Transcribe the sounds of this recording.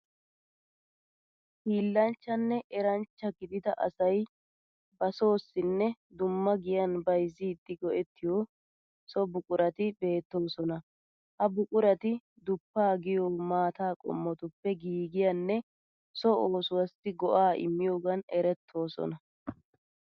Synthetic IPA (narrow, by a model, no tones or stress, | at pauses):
hiːlːɐnt͡ʃːɐnːɛʔɛɾɐnt͡ʃːɐɡɪd̪ɪd̪ɐʔɐ̰sɐj | bɐso̞ːsːɪnːɛ | d̪ʊmːɐɡɪjɐnbɐjzɪd̪ːɪɡɔʔɛt̪ːɪjoː | sɔbʊkʼʊɾɐt̪ɪbe̞ːt̪ːo̞ːsɔnɐ | hɐbʊkʼʊɾɐt̪ɪ | d̪ʊpːaːɡɪjoːmaːt̪aːkʼɔ̰mːɔt̪ʊpːɛɡiːɡɪjɐnːɛ | sɔoːsʊwɐsːɪɡɔʔaːʔɪ̰mːɪjo̞ːɡɐnɛɾɛt̪ʰːo̞ːsɔ̰nɐ